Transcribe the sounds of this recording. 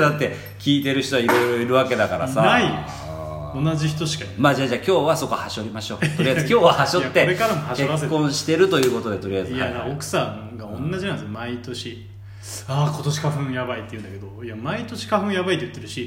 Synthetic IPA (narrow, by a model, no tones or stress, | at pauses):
d̪at̪ːe̞ | kʲiːt̪e̞ɾɯ̟ç̥t̪oaiɾo̞jɾoiɾɯ̟βake̞d̪akaɾa̰sanai | onad͡ʑiçi̥t̪o̞ɕi̥kamaːd͡ʑaːʑaːkʲo̞ːβaso̞ko̞haɕo̞ɾʲimaɕo̞ːt̪oɾiaizɨkʲo̞ːβahaɕot̪ːeɾekaɾamohaɕkeβasekːõ̞ɰ̃ɕi̥t̪e̞ɾɯ̟t̪o̞jɯ̟ːko̞t̪o̞d̪e̞t̪o̞ɾiajzɨad̪aokɯ̟̥sãŋɡaõ̞nnːad͡ʑinãnsmait̪o̞ɕi | aːkot̪o̞ɕi̥kaɸɯ̟̃jabait̪eiɯ̟̃nd̪ake̞d̪o̞jamait̪o̞ɕi̥kaɸɯ̟̃jabait̪ojɯ̟t̪ːeɾɯɕi